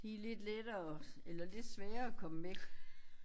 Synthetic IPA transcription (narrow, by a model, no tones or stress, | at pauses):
d̥ile̝d̥led̥ɐːelɐle̝d̥sʋɛːɐɒkʰɒ̽məʋe̥